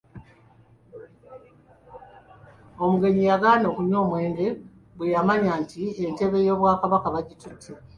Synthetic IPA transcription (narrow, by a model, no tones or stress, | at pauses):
o̞muɡe̞ɲijaɡaːno̞ːkuɲo̞ːmwe̞ːnde̞ | βujamaɲaːntʰiente̞βe̞jo̞ːβwaːkaβakaβaɟitʰutʰːe